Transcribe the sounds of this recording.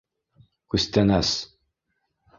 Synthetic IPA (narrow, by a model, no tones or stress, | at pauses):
kʉst̪ænæs